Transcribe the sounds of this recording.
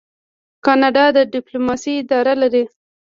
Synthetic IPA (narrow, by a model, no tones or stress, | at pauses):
kɑnɑɖɑd̪əɖɪplumɑsiːd̪ɑɾalaɾi